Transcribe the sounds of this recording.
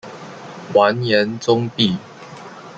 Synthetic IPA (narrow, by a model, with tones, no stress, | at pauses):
wa˨˦njɛ˨˦nt͡sʊ˦ŋpi˥˨